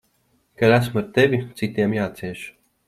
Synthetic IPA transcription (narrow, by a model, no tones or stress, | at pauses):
kaɾæsmaɾt̪evʲit̪sit̪iɛmjaːt̪siɛʃ